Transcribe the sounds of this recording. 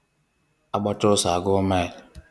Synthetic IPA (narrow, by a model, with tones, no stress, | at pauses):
a˦ɡ͡bɔ˦t͡ʃʊ˦sa˨ɡʊ˦ma˦i˨l